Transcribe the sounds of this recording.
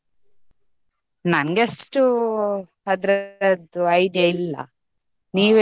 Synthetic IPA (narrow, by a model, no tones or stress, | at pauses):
nɐnɡesʈu | ɐd̪ɾɐd̪uɐjɖjɐilːɐ̰ | niːʋe